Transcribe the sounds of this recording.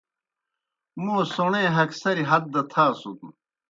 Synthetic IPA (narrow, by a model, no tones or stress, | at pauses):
muːsoɳẽːɦɐksɐɾiɦɐd̪̚d̪ɐt̪ʰaːsut̪u